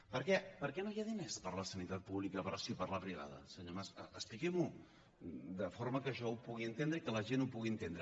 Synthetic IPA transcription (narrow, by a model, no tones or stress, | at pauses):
pəɾkɛpəɾkɛnojaðinespəɾləsənit̪at̪̚puβlikəpəɾsipəɾləpɾiβa̰ð̞ə̰səɲomasəəsplikɛmu | d̪əfoɾməkəʒɔupuɣiənt̪end̪ɾəikələʒenupuɣiənt̪end̪ɾə